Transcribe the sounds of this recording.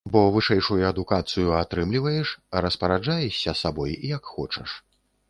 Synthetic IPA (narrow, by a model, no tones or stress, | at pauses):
bɔvɨʂɛjʂujuɐd̪ukat̪sɨjuat̪ɾɨmlʲivɐjɛʂɾɐspɐɾad͡ʐajɛɕʲːɐsabɔjijakxɔt͡ʂɐ̰ʂ